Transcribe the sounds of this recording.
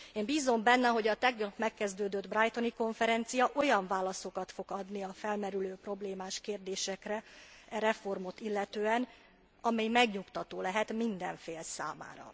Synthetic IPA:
eːmbiːzo̞mbɛnːɛɦo̞ɟɒt̪ɛɡnɒpmɛkːɛzd̪øːd̪ød̪brajt̪o̞niko̞ɱfɛɾɛnt̪sijɒʔo̞jɒɱvaːlɒso̞kɒt̪fo̞ɡɒd̪niɒfɛlmɛɾyløːpro̞bleːmaːʃkeːrd̪eːʃɛkrɛɛɾɛfo̞rmo̞t̪ilːɛt̪øːɛn | ɒmɛjmɛɡɲukt̪ɒt̪oːlɛɦɛt̪mind̪ɛɱfeːlsa̰ːma̰ːɾɒ̰

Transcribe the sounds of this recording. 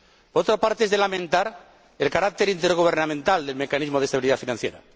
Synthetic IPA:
poɾot̪ɾapaɾt̪eezðelamẽnt̪aɾ | elkaɾak̚t̪eɾint̪eɾɣ̞uβ̞eɾnamẽnt̪ald̪elme̞kanizmoð̞est̪aβiliðafinãnθjḛɾa̰

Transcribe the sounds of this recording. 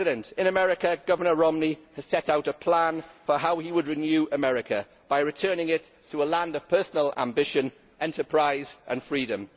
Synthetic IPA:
ɪɾə̃ntɪ̃nəmɛɹɪkəɡ̥ʌvənəɹɔmniəz̥sɛtaʊtəpʰl̥ãnfəɦaʊiwədɹɪnjʉːʔəmɛɹɪkʰə̰ | b̥aɪɹɪtʰɜːnɪ̃ŋɪtʰːəəlãndəv̥pʰɜˑsənəlã̰mbɪʃə̃n | ʔɛ̃ntəpʰɹ̥aɪzʔə̰̃nfɹiːdə̃m

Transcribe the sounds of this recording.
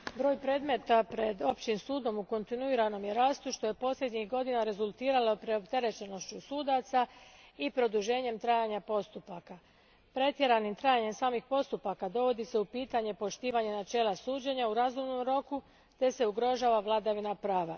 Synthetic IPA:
bɾo̞ːjpɾe̞ːd̪me̞t̪apɾe̞d̪o̞pt͡ɕimsuːd̪o̞muko̞nt̪inuiːɾano̞mje̞ɾaːst̪uʃt̪o̞je̞po̞slʲe̞d̪ɲixɡo̞d̪inaɾe̞zulˠt̪iːɾalo̞pɾeo̞pt̪e̞ɾe̞t͡ɕe̞no̞ʃt͡ɕusuːd̪at̪saipɾo̞d̪uʒe̞ːɲe̞mt̪ɾajaɲapo̞st̪upaka | pɾe̞t̪je̞ɾanimt̪ɾajaɲe̞msaːmixpo̞st̪upakad̪o̞ʋo̞d̪ise̞upiːt̪aɲe̞po̞ʃt̪iːʋaɲe̞nat͡ʃe̞ːlˠasuːd͡ʑe̞ɲauɾazumno̞mɾo̞ku | t̪e̞se̞uɡɾo̞ʒaːʋaʋlˠad̪aʋinapɾaːʋa̰

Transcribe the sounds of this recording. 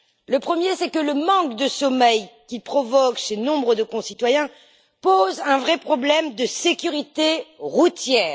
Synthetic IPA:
ləpχəmjesɛkələmɑ̃kd̪əsɔmɛjkʲilpχɔvɔkʃenɔ̃bʁəd̪əkɔ̃sit̪wajɛ̃ | pozɛ̃vʁɛpχɔblɛmd̪əsekʲyʁit̪eʁut̪jɛːʁ

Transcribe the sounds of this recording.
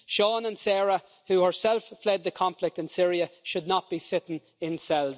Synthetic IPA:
ʃɔːnə̃nsɛɹə | huhə˞sɛlˠfːlɛd̪̚ðəkʰɑ̃ɱflɪk̚tɨ̃nsɪɹiəʃʊdⁿnət̚b̥isɪɾɪ̃n | ɪ̃nsɛlˠz

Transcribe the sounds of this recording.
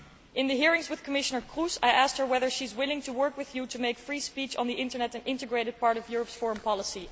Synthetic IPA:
ʔɪ̃nðɨɦiɹɪ̃ŋzwɨð̥kʰəmɪʃənə˞kʰɹusaɪʔæst̚hə˞wɛðə˞ʃizwɪlˠɪ̃ŋtʰuwɜ˞kwɨðjuɾɨmeɪkfɹispit͡ʃn̩ðiʔɪ̃ntə˞nɛɾɨ̃ndɪ̃ntɨɡɹeɪɾɨd̚pɑɹɾʌvjʊɹəpsfɔɹə̃npʰɑlˠəsi

